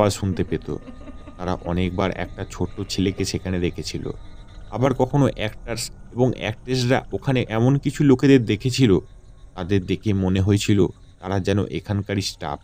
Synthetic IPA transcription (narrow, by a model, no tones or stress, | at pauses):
aʃunt̪epet̪o̰t̪aɾa̰ʔɔnek̚baɾɛ̰k̚ʈat͡ɕʰoʈːot͡ɕʰelekeʃekʰaned̪ekʰet͡ɕʰilo̰ | a̰baɾkɔkʰonoʔɛkʈaɾseboŋɛ̰k̚ʈɾes̬ɾa̰ʔokʰaneʔɛmonkit͡ɕʰuloked̪eɾd̪ekʰet͡ɕʰilo | t̪ad̪eɾd̪ekʰemoneɦoet͡ɕʰilo | t̪aɾad͡ʑɛno̰ʔḛkʰankaɾisʈa̰p̚